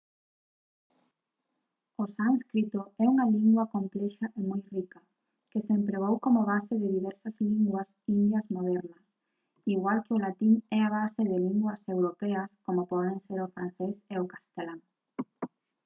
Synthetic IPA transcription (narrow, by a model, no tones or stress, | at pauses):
osaŋskɾit̪oɛuŋaliŋɡwɐkomplɛʃaʔemojrikɐ | kesempɾeβ̞owkomoβaseðɪðiβɛɾsɐzliŋɡwɐsind̪jɐzmoðɛɾnɐs | iɣwalkɪolat̪iŋɛaβaseðɪliŋɡwɐsewɾopɛɐskomopɔðeŋseɾofɾãn̟θeseʊkast̪elaŋ